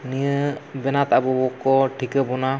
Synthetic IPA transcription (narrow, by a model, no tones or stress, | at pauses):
nijəbɛnat̪aʔbɔbɔkɔʈʰikəbɔna